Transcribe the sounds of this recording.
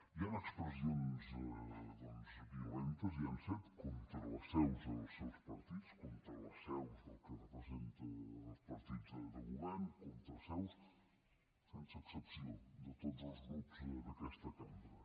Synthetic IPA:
ianəkspɾəzionzðɔnzbiulɛnt̪əzianfet̪kont̪ɾələsɛwzəlˠsɛwspəɾt̪it͡skɔnt̪ɾələsɛwzðəlˠkərəpɾəzent̪əəlˠspəɾt̪id͡zðəd̪əɣuβɛɾnkont̪ɾəlˠsɛws | sɛnsəːksəpsiod̪ət̪odzəlˠzɣɾupzd̪əkɛst̪əkambɾə

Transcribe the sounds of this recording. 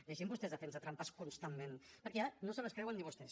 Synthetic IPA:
laʒembust̪ɛzðəfɛnsat̪ɾampaskunst̪ammẽnpəɾkɛaɾənosələskɾɛwənːiβust̪ɛs

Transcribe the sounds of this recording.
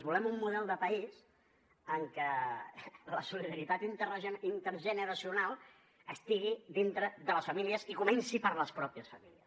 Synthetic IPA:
zβulɛmumːuðɛlˠd̪əpəis | əŋkə | ləsuliðəɾit̪at̪int̪ɾint̪əɾʒənəɾəsiunalˠ | əst̪iɣid̪int̪ɾəðələsfəmiliəzikumɛnsipəɾləspɾɔpiəsfəmiliəs

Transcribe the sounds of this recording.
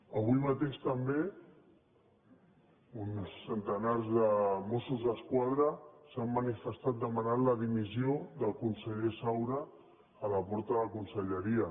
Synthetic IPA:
əβ̞ujmat̪eʃt̪əmbe | unsːənt̪ənarzðəmosuzðəskwaðɾəsamːənifəst̪at̪̚d̪əmənat̪ləðimizioðəlˠkunsəʎesawɾəː | ləpɔɾt̪əðəkunsəʎəɾiə

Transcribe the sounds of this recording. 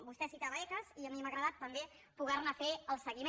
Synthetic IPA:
bust̪ɛsit̪aβəɛkəziəmiməɣɾəðat̪ːəmbe | puɣɛrnəfeəlˠsəɣime

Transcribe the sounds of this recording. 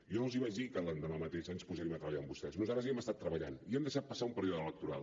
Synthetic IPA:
jɔlˠziβad͡ʒðikəland̪əmamət̪eʃaɲspuzɛɾimət̪ɾəβəʎaəmbust̪ɛznuzat̪ɾəziɛməst̪at̪ːɾəβəʎa̰niɛmd̪əʃat̪̚pəsaumpəɾioðəələk̚t̪uɾa̰lˠ

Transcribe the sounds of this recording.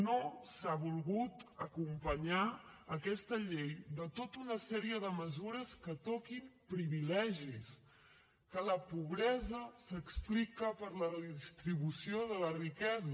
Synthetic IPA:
nosaβulˠɣut̪əkumpəɲaəkɛst̪əʎejd̪ət̪ot̪unəsɛɾiəðəməzuɾəskət̪ɔkimpɾiβilɛʒis | kələpuβɾɛzəsəksplikəpəɾlərəðist̪ɾiβ̞usioðələrikɛzə

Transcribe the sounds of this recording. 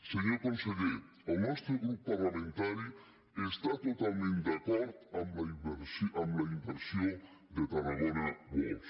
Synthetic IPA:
seɲokonseðe | alˠnɔst̪ɾoɣɾupːarlamẽnt̪aɾi | est̪at̪ot̪almẽnt̪d̪akɔɾd̪amlaimbeɾsʔamlaimbeɾsjo | d̪et̪aɾalonabo̰s

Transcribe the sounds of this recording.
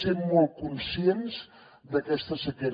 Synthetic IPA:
semːɔl̚ˠkunsienz | d̪əkɛst̪əsəkeɾ

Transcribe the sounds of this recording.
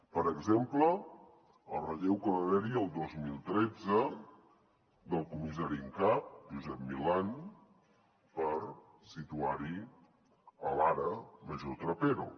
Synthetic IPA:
pəɾəɡzemplə | əlˠrəʎewkəɾəlɛɾiəlˠd̪ozmilˠt̪ɾɛd͡zə | d̪əlˠkumizaɾiŋkap̚ʒuzɛp̚milan | pəɾ | sit̪uaɾi | əlaɾəməʒot̪ɾəpeɾo

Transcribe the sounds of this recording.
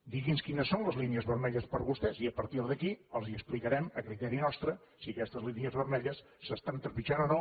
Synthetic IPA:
d̪iɣinskinəsːonləzliniəzβəɾmɛʎəspəɾβust̪ɛziəpəɾt̪iɾðəkiəlˠziəksplikəɾɛməkɾit̪ɛɾinɔst̪ɾə | siəkɛst̪əzliniəzβəɾmɛʎəsːəst̪ant̪əɾpit͡ʃanonɔ

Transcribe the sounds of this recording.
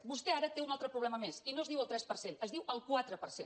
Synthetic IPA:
bust̪ɛaɾət̪eunalˠt̪ɾəpɾuβlɛməmesinoəzðiwəlˠt̪ɾɛspəɾsenəzðiwəlˠkwat̪ɾəpə̰ɾsen

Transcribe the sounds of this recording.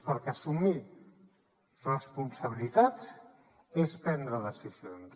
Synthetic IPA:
pəɾkasumi | rəspunsaβ̞ilit̪at̪s | espɛnd̪ɾəðəsisjons

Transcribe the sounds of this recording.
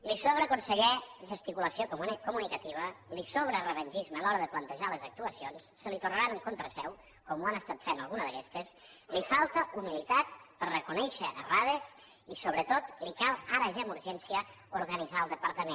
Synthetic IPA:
lisoβɾəkunsəʎɛʒəst̪ikuləsiokomunɛkumunikət̪iβ̞əlisoβɾərəβənʲʒizməlɔɾəðəplənt̪əʒaləzək̚t̪uəsionsːəlit̪urnəɾanəŋkont̪ɾəsɛw | kɔmuanəst̪at̪fenə̰lˠɣunəðəkɛst̪əs | lifalˠt̪əʔumilit̪at̪̚pəɾrəkunɛʃəəraðes | isoβɾət̪ot̪likalˠaɾəʒamuɾʒɛnsiə | uɾɣənid͡zaəlˠd̪əpəɾt̪əmẽ

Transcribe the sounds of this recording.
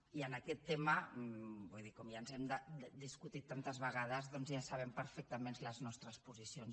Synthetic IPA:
iənakɛt̪ːeməbujðikɔmjanzɛmd̪əd̪iskut̪it̪ːant̪əzβəɣað̞əzðɔnzjasaβ̞ɛmpəɾfɛk̚t̪əmenləznɔst̪ɾəspuzisions

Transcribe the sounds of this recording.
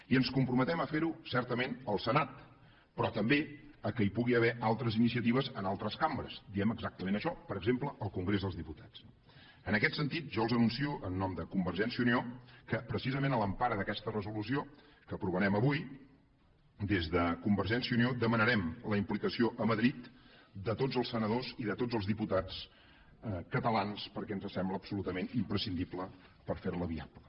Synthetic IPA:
iənskumpɾumət̪ɛməfeɾusɛɾt̪əmenəlˠsənat̪̚ | pɾɔt̪əmbeəkəipuɣiəβɛʔalˠt̪ɾəzinisiət̪iβəzənalˠt̪ɾəskambɾəzd̪iɛməɡzak̚t̪əmẽnəʃɔpəɾəɡzempləəlˠkuŋɡɾezðəlˠzðiput̪ḁtt͡s | ənəkɛt̪sənt̪it̪̚ʒɔlˠzənunsiuʔənːɔmd̪əkumbəɾʒɛnsiuniokəpɾəsizəmenələmpaɾəðəkɛst̪ərəzulusio | kəpɾuβənɛməβuj | d̪ezðəkumbəɾʒɛnsiəuniod̪əmənəɾɛmləimplikəsioʔəməðɾit̪d̪ət̪odd͡zəlˠsənəðoziðət̪od͡zzəlˠzðiput̪at͡s | kət̪əlanspəɾkɛənzəsɛmbləːpsulut̪əmenimpɾəsind̪iplə | pəɾfeɾləβia̰plə

